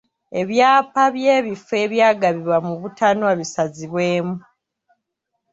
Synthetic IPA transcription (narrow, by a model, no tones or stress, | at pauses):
e̞βjaːpaβje̞ːβife̞ːβjaːɡaβiβwamuβutanoaβisaziβwe̞ːmu